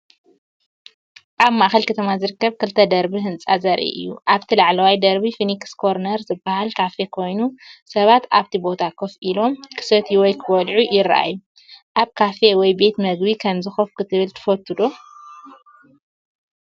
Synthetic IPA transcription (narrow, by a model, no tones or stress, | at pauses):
ʔaβmaʔxɐlkʰɐt̪ʰɐmazɨɾɨkːɐβkʰɨlt̪ʰɐd̪ɐɾbiɦɨnt͡sʼazɐɾʔḭʔɨ̰jːṵʔaβt̪ʰilaʕlɐwajd̪ɐɾbifinikskʰo̞ɾnɐɾzɨbahalkʰafe̞kʰo̞jnusɐβat̪aβt̪ʰibo̞t̪ʰakʰofʔilo̞mkʰɨ̥sɐt̪ʰiwɔjkʰɨwɔlʕujɪɾɐʔa̰jːu | ʔaβkʰafe̞wɔjbe̞t̪mɐɡbikʰɐmzɨxofkʰɨt̪ʰɨβɨlt̪ʰɨ̥fɐt̪ʰːɨd̪o